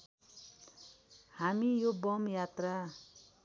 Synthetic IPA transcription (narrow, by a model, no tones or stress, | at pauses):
hamijobʌmjat̪ra